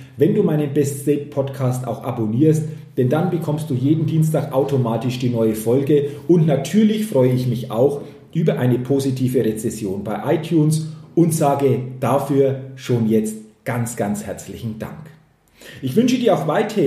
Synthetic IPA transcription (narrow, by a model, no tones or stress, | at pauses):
vɛnduːmaɪnənbɛststɛɪt̚pʰɔtkʰaːstʔa̰ʊxʔa̰boniːɐst | d̥ɛndanbəkʰɔmst̚d̥uːjeːdn̩diːnstaːkʔaʊtʰomaːtɪʃd̥iːnɔʏəfɔlɡəʊntnatʰyːɐlɪçfʁ̥ɔʏəɪçmɪça̰ʊx | ʔyːbɐʔaɪnəpʰozitʰiːvəʁet͡sɛsjoːnbaɪʔaɪtʰjuːnsʔʊntz̥aːɡəd̥afyːɐʃoːnjɛt͡stɡ̥ant͡sɡ̥ant͡shɛɐt͡slɪçn̩d̥a̰ŋk | ʔɪçv̥ʏnʃədiːɐaʊxv̥aɪtəɪ